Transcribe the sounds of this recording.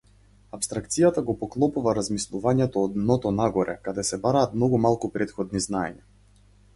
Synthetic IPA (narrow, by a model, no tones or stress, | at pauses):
apst̪ɾak̚t̪sijat̪aɡɔpɔklˠɔpuvaɾazmislˠuvaɲɛt̪ɔːd̪nɔt̪ɔnaɡɔɾʔɛkad̪ɛsɛbaɾaːt̪mnɔɡumalˠkupɾɛt̪xɔd̪niznaɛ̰ɲa